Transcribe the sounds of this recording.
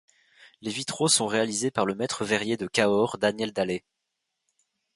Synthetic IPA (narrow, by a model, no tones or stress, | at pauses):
levit̪χosɔ̃ʁealizepaʁləmɛt̪χəvɛʁjed̪əkʲaɔʁd̪anjɛld̪ale